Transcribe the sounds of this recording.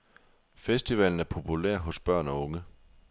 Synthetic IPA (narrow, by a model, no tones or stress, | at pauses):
fesd̥iʋɛln̩æɐpʰo̝pʰulæɐ̰ɦɔ̽sb̥ɶɐ̰nɒ̽ɔ̽ŋə